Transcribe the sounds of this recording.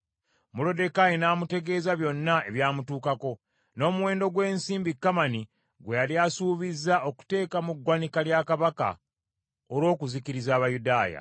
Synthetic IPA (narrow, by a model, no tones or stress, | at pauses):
mulo̞de̞kajinaːmute̞ɡe̞ːzaβjo̞nːae̞βjaːmutuːkako̞ | no̞ːmuwe̞ːndo̞ɡwe̞ːnsiːmbikːamani | ɡwejaljasuːβizao̞ku̥te̞ːkamuɡwanikaljakaβaka̰ | oɾwo̞ːkuzikiɾizaːβajudaːja̰